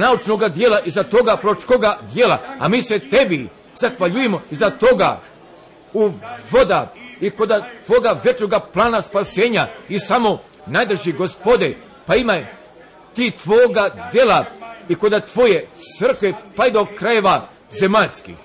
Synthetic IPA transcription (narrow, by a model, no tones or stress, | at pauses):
naut͡ʃno̞ɡad̪jelˠaʔizat̪o̞ɡapɾot͡ʃkoɡad̪jelˠa̰a̰miːset̪e̞bi | zaxʋaʎujemoizat̪o̞ɡa̰ | uʋo̞d̪aiko̞d̪at̪ʋo̞ːɡaʋe̞t͡ʃnoɡaplˠaːnaspase̞ːɲaisamo̞ | najd̪ɾ̩eʒiɡo̞spo̞d̪e | paimaj | t̪iːt̪ʋoːɡad̪je̞laiko̞d̪at̪ʋo̞je̞t̪sər̩kʋe̞paid̪okɾaje̞ʋa | zemaʎskḭx